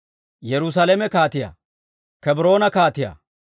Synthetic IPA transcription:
jɛɾʊs̬ɐlemɛkaːt̪ɪja̰ː | kɛbɾo̞ːnɐkaːt̪ɪja̰ː

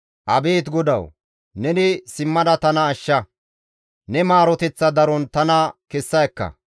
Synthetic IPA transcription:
ʔɐbeːt̪ɡɔd̪ɐ̰w | nɛnɪsɪmːɐd̪ɐt̪ɐnɐːʃːɐ | nɛmaːɾɔt̪ɛt͡sːɐd̪ɐɾɔnt̪ɐnɐkɛsːɐjkːɐ̰

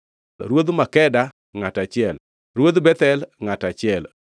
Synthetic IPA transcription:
ɾwod̪makɛda | ŋatat͡ʃɪɛl | ɾwod̪bɛt̪ɛlŋatat͡ʃɪɛl

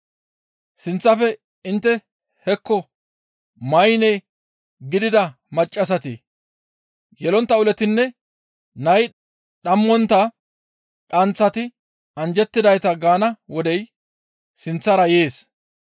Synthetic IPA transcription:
sɪnt͡sːɐfɛ | ɪnt̪ːɛ | hɛkːɔ | mɐjnɛj | ɡɪd̪ɪd̪ɐ | mɐt͡ʃʼːɐs̬ɐt̪ɪ̰ | jɛlɔnt̪ːɐʊlɛt̪ɪnːɛ | nɐj | ɗɐmːɔnt̪ːɐ | ᶑɐnt͡sːɐt̪ɪ | ɐnd͡ʒɛt̪ːɪd̪ɐjt̪ɐɡaːnɐwɔd̪ɛj | sɪnt͡sːɐɾɐje̞ːs

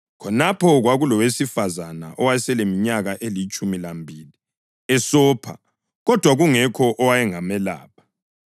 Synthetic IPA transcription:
kʰɔnapʰɔɣwaɣulɔwesifazana̰ʔɔwajɛsɛlemiɲaɣaʔelit͡ʃʼumilambʱiːli | ɛsɔːpʰa̰ | ɣɔd̥ʱwaɣuŋɛkʰɔʔɔwajɛŋamɛla̰ːpʰḁ

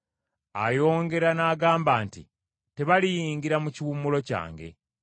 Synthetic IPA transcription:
a̰jo̞ːŋɡe̞ɾanaːɡaːmbaːntḭ | te̞βalijiːŋɡiɾamuciwumulo̞ca̰ːŋɡe̞̰

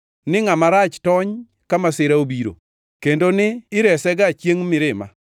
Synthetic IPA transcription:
nɪŋamaɾat͡ʃtɔɲ | kamasɪɾaobiɾo̰ | kendonɪːɾɛsɛɡat͡ʃjeŋmɪɾɪma̰

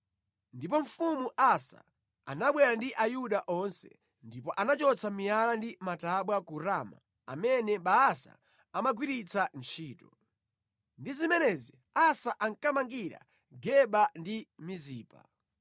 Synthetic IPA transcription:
ndipɔɱ̩fumuʔasa̰ | a̰naɓwɛɾandiʔajuɗaʔɔnsɛ̰ | ndipɔʔanat͡ʃɔt͡samialandimataɓwakuɾama̰ | a̰mɛnɛɓaːsa̰ | amaɡwiɾit͡sʰant͡ʃʰiːtɔ | ndizimɛnɛzi | asaʔaŋkamaŋɡiɾa̰ | ɡɛɓandimiziːpa̰

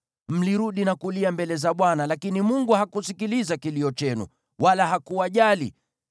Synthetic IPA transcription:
m̩liɾuɗinakuliambɛlɛzaɓwanalakinimuŋɡuhakusikilizakiliɔt͡ʃɛnṵ | walaɦakuaʄalḭ

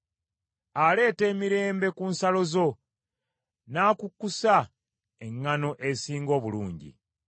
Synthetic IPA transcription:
ale̞ːte̞ːmiɾe̞ːmbe̞kunsalo̞zo̞ | naːkukːusa | eŋːano̞ʔe̞siːŋɡo̞ːβuluːɲɟḭ

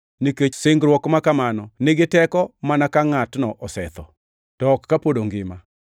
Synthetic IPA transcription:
niket͡ʃsɪŋɡɾwɔkmakamanɔnɪɡɪtɛkɔmanakaŋatnɔʔɔsɛt̪ɔ | tɔːkːapodoŋɡɪma

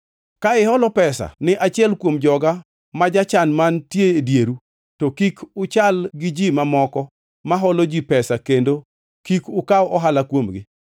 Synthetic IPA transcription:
kaɪɦɔlɔpɛsa̰nɪʔat͡ʃɪɛlkwomd͡ʒɔɡa | mad͡ʒat͡ʃanmantjeedjeɾu | tokikʰʊt͡ʃalɡɪd͡ʒimamɔkɔ | maɦɔlod͡ʒipɛsakendo | kikʊkaɔʔɔɦalakwomɡɪ

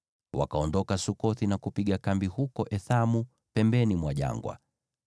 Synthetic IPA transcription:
wa̰kaɔndɔkasukɔθinakupiɠakambihukɔʔɛθamu | pɛmbɛnimwaʄa̰ŋɡwa̰

